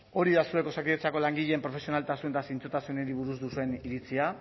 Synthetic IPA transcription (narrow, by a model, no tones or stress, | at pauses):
o̞ɾiðasue̞ko̞sakiðet͡sako̞laŋɡiʎe̞ːmpɾo̞fe̞sio̞nalt̪asunet̪asint͡sut̪asuneɾiβuɾuzd̪usue̞niɾit͡sia